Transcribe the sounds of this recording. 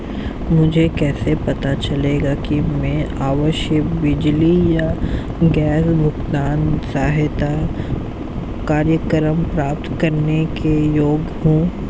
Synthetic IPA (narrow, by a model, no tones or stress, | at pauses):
mʊd͡ʒʱekɛːsepɐt̪at͡ʃɐleːɡakimɛ̃ːaːʋəʃjəkbɪd͡ʒlija | ɡɛːsbʱʊɡt̪aːnsaːɦɪt̪a | kaːɾjəkəɾəmpɾaːp̚t̪kɐɾnekejoːɡhũː